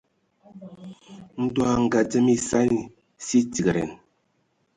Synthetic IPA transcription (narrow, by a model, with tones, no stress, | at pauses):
n̩˦dwa˦˨ŋ̩˨ɡa˨d͡zə˦mi˦sa˦ni˨ | si˦ti˨ɡə˨ɾɛ̰˨n